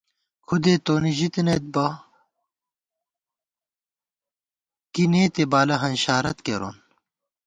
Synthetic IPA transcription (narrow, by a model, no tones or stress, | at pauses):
kʰud̪eːt̪oːniʑit̪inet̪̚bɐ | kineːt̪ebaːlɐɦɐnɕaːɾɐt̪keɾo̰ːn